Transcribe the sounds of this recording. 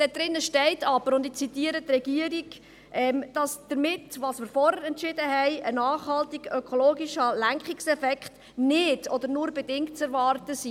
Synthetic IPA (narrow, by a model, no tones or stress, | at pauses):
d̥ɛd̥̪ɾɪnːəʃtɛɪtʰɑbəɾʊndɪt͡sitiəɾət̪rɛɡ̥iəɾiɡ | ʔɛmd̥ɑsd̪̥əɾmɪtʋɑːsmɪɾfɔɾhəɾɛntʃɪdəɦɛɪənɑːχhɑltiɡ̥økʰɔloːɡiʃəlæŋkχɪksɛfɛkχt | nɪdɔdəɾnʊɾbɛdɪŋkt̚t͡sɛɾvɑːrtəsi